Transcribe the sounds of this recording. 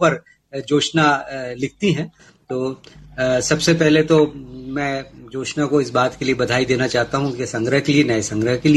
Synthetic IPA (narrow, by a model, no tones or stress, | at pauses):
pɐɾ | d͡ʒoːʃnalɪk̚t̪iɦɛ̃ | t̪oː | sɐbsepɛɦlet̪omɛ̃ːd͡ʒoːʃnakoɪsbaːt̪keliebɐd̪ʱaːid̪eːnat͡ʃaːɦt̪aɦũkesɐ̃ŋɡɾəɦkelienɐesɐ̃ŋɡɾəɦkeli